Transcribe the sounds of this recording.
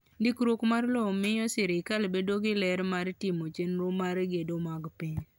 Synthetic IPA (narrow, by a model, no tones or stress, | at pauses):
ndɪkɾokmarlɔmɪjɔsɪɾɪkalbedoɡɪlɛɾmaɾtɪmot͡ʃenɾomaɾɡedomaɡpɪɲ